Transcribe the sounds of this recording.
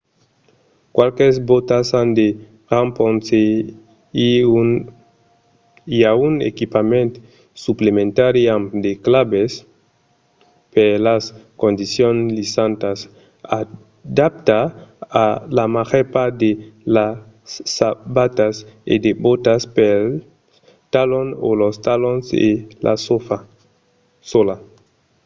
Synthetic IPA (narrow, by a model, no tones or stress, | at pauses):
kwalkezbot̪asand̪e | ramponse | iaunḛkipamẽnt̪ | suplemẽnt̪aɾiamd̪eklabes | pelaskõnd̪isjonlisant̪as | a | d̪ap̚t̪aː | lamaʁepad̪ela | sːabat̪asḛd̪ebot̪aspel | t̪alono̰lost̪alonsḛlʔa̰sofa | sola